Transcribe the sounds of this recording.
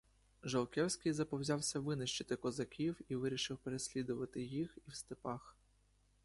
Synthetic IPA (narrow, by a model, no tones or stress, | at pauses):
ʒɔlˠkɛwsʲkɪjzɐpɔwzʲɑwsʲɐʋɪnɪʃt͡ʃɪt̪ɪkɔzɐkʲiwiʋɪɾʲiʃɪwpeɾesʲlʲid̪ʊʋɐt̪ɪjixiwst̪ɪpɑx